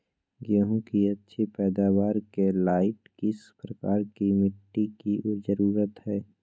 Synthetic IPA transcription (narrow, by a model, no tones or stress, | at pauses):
ɡeːɦũkiɐtːʃʰepɛːd̪aːwaːɾkelaːɪʈkɪspɾəkaːɾkimɪʈːikiʔozəɾuːɾət̪ɦɛː